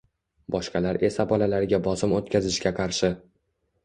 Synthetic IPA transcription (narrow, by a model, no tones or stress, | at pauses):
bɒʃqʰɑlaɾe̞sabɒlalaɾɪɡʲabɒsɪmot̪̚kʲʰazɪʃkʲaqʰɑɾʃɪ